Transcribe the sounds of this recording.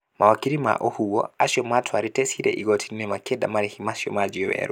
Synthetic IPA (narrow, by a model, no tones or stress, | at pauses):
mawakiɾima̰ʔɔhuwɔ̰asjɔmatʰwaɾitɛsiɾɛ̰ʔiɡɔtʰinɛmakɛdamaɾɛhimasjɔ̰mad͡ʒiɔwɛ̰ɾu